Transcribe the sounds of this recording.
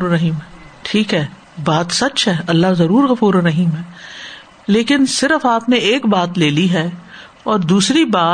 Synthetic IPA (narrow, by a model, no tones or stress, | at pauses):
ɾɾɐɦiːmɦɛʈʰiːkɦɛː | baːt̪sɐt͡ʃɦɛːʔɐlːazɐɾuːɾɣɐfuːɾɛɾɐɦiːmɦɛː | leːkɪnsɪɾəfaːpneeːkbaːt̪leːliɦɛː | ɔːɾd̪uːsɾibaː